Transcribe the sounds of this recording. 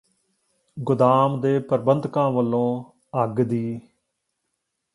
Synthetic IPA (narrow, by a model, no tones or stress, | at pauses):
ɡʊd̪aːmd̪eːpəɾbənd̪ʱkãːʋəlːõː | əɡd̪iː